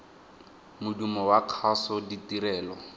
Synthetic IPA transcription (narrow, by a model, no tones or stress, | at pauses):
mʊdumɔwakʰasɔditiɾɛːlɔ